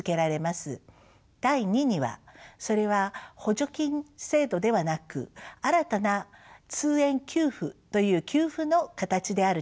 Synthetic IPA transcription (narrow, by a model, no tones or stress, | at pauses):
ke̞ɾaɾe̞masɨ | d̪̥aiɲ̟iɲ̟iβa̰so̞ɾe̞βaho̞ʑo̞kʲĩɴse̞ːd̪o̞d̪e̞β̞anakɯ̟̰aɾat̪anat͡sɨːẽ̞ŋkʲɨːɸɯ̟t̪o̞jɯ̟ːkʲɨːɸɯ̟no̞kat̪at͡ɕid̪e̞aɾɯ̟